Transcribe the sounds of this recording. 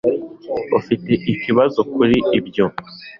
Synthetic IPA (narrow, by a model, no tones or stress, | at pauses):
ufite̞ʔiciβazo̞kuɾiibjo̞